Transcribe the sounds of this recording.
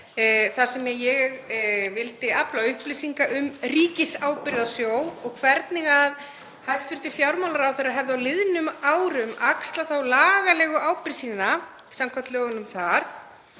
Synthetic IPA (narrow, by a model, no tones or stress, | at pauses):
θaɾ̥sɛmɛjɛɣvɪlt̪ɪaplawʏhplisiŋkaʔʏmriːcɪsaːwpɪɾðasjoːwɔɣkʰvɛɾt̪nɪɣað | hajst̪fɪɾ̥t̪ɪ̥fjawɾmawlaɾawθejɾaɦɛvðʏawlɪðnʏmaːwɾʏmakst̪laθawlaːɣalɛːɣʏʔaːwpɪɾsiːna | samkʰvat̪lœːɣʏnʏmθaɾ̥